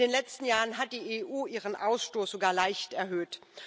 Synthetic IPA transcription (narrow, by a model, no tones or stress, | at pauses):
deːnlɛt͡stn̩jaːʁənɦat̚d̥iːeʔuːiːʁənʔaʊsʃtoːsz̥oɡaːɐlaɪçtɛɐɦøːt